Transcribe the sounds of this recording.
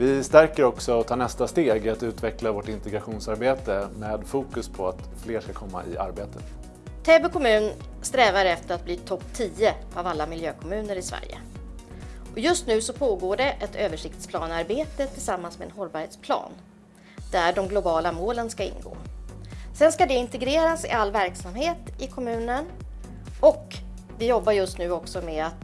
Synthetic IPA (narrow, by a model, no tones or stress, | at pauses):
vɪst̪æɾkəɾɔksɔɔt̪ʰɑːnɛst̪ast̪eːɡat̪ʉ̟ːt̪vɛklavoːʈɪnt̪ɛɡɾaɧuːnsaɾbeːt̪əmeːd̪fuːkɵspʰɔat̪ | fleːʂkakʰɔmːa̰ʔɪ̰ʔa̰ɾbeːt̪ət̪ | t̪ʰeːbɛkʰɔmʉ̟ːn | st̪ɾɛːvaɾɛft̪əɾat̪̚bliːt̪ʰɔpːt̪ʰiːəʔavalːamɪljøːkʰɔmʉ̟ːnəɾɪsvæ̰ɾjə̰ | ɔjɵst̪nʉ̟ːsɔpʰoːɡoːɖɛʔɛt̪ʰøːvəʂɪk̚t̪spʰlɑːnaɾbeːt̪ət̪ʰɪlsamːansmedɛnɦɔlbɑːɾheːt̪spʰlɑ̰ːn | d̪̥æɖɔmɡlʊbɑːlamoːlənskaɪ̰nɡo̰ː | sɛnskad̪ɛɪnt̪ɛɡɾeːɾasɪ̰alːvæɾksamheːt̪ɪkʰɔmʉ̟ːnən | ɔk | vɪjɔbːaɾjɵst̪nʉ̟ːɔksɔmeat̪